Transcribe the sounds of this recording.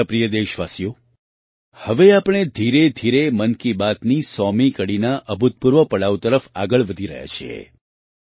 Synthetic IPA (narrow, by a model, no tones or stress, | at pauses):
pɾijəd̪eʃʋasijo | həʋeapɳ̃ed̪ʱiɾed̪ʱiɾemənkibat̪nisɔmikəɽinaʔəbʱut̪̚puɾʋəpəɽaʋt̪əɾəfaɡəɭʋəd̪ʱiɾə̰ɦja̰t͡ʃʰiḛ